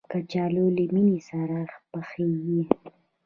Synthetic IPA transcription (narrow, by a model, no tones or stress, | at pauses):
kat͡ʃɑloliminisaɾaxpəxeɡi